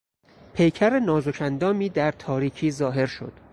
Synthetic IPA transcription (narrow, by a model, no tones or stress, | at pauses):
pʰe̞jcʰæɾenɒːzocʰænd̪ɒːmiːd̪æɾt̪ʰɒːɾiːcʰiːzɒːɦe̞ɾʃo̞̰d̪̥